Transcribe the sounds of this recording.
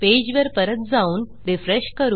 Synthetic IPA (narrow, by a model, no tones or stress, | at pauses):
ped͡ʑʋəɾpəɾət̪̚d͡zauːn | ɾifɾeɕkəɾuː